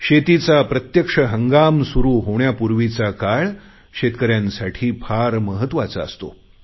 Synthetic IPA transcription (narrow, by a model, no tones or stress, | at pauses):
ɕet̪it͡sapɾət̪jəkʂəɦəŋɡamsuɾuːɦoɳjapuɾʋit͡sakaɭ | ɕet̪kəɾjãnsaʈʰiːpʰaɾməɦət̪ʋat͡sa̰ə̰st̪o̰